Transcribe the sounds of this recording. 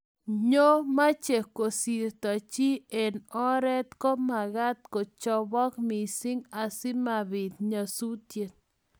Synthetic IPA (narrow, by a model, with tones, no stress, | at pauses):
ɲo˦ma˦t͡ʃe˨ko˨si˨ɾt̪a˨t͡ʃi˦e˨nɔ˦ɾɛ˦t̪kɔ˦ma˨ɣa˦t̪̚ko˨t͡ʃɔ˦bɔ˦kmi˨sɪ˦ŋa˨sɪ˦ma˨bi˨t̪̚ɲa˨su˦t̪je˨t̪̚